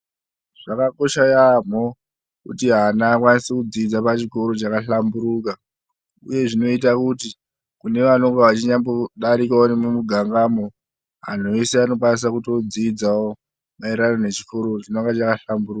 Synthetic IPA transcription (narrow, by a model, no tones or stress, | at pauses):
ʐ̥akako̞ʃajam̤o̞ | kutiɦanaːkwanisekud͡ziːd͡zapat͡ʃiko̞ɾo̞t͡ʃakaɬambuɾuka | ṵje̞ʐino̞itakuti | kune̞ʋanoŋɡaʋat͡ʃiɲamboɗaɾikaonemumuɡʱaŋɡamo̞ | ɦan̤oeseano̞kwanis̬akuto̞d͡ziːd͡zao | maiɾarone̞t͡ʃiko̞ɾot͡ʃinoŋɡat͡ʃakaɬambuɾuːka